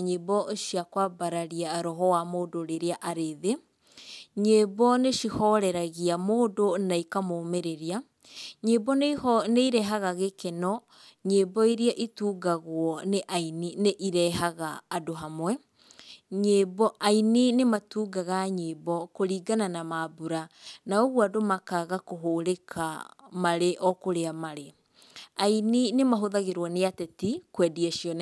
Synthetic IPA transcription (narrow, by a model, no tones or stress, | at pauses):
ɲebɔʃiakwabaɾaɾiaɾɔɦɔwamoːdoɾeɾeaʔaɾeðe | ɲebɔneʃihɔɾɛɾaɣiamoːdonaikamomeɾeɾia | ɲebɔneihɔneiɾɛɦaɣaɣekenɔ | ɲebɔiɾiaʔituːɡaɣwɔneʔainineʔiɾɛɦaɣaːdoɦamwɛ | ɲeːbɔʔaininematuːɡaɣaɲeːbɔkoɾiːɡananamabuɾanaoɣwadomakaɣakoɦoːɾekʰamaɾeʔɔkoɾeamaɾe | aininemaɦoðaɣeɾwɔneatɛtikwɛdiaʃiɔn